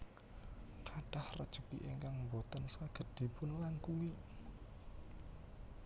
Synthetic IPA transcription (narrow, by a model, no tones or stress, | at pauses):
kaɖ̥ahrə̰d̥ʒ̥ṳkḭʔeŋkaŋmbot̪ənskaɡ̥ə̤d̪̥i̤pʊnlaŋkuwi